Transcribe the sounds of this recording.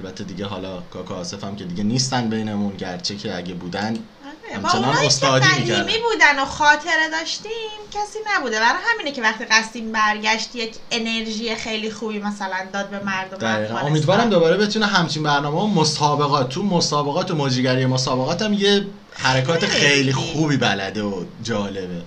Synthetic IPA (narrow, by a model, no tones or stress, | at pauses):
ælbæt̪ʰːed̪iɟeɦɒ̰ːlɒːkʰɒːkʰɔːse̞fæmcʰe̞d̪iɟeniːst̪ænbejneunɟæ̰ɾt͡ʃʰecʰeæ̰ɟebuːd̪æn | aɾeæmt͡ʃːenɒnost̪ɒd̪miːkæmiːbuːd̪ænoxɒːt̪ʰe̞ɾed̪ɒːʃt̪iːmcʰæsiːnæbuːd̪evænɒːhæmiːnecʰe̞væχt̪iːɣæst̪iːmbæɾɟæʃt̪je̞cʰe̞ne̞ɾʒiːjexejlixuːbiːmæsælænd̪ɒːd̪̚be̞mæɾd̪omd̪ææʁiːɣæno̞miːd̪vɒːɾæmd̪o̞bɒːɾe̞be̞t̪ʰuːneɦæmt͡ʃʰinbæɾnɒːmehomosɒːbe̞ɣɒːt̪̚ʰːumosɒːbe̞ɣɒːt̪ʰomoːd͡ʒiɟæɾijemosɒːbe̞ɣɒːt̪æmje | hæɾekʰɒːt̪ʰexejliːxuːbiːbælæ̰d̪eod͡ʒɒːle̞be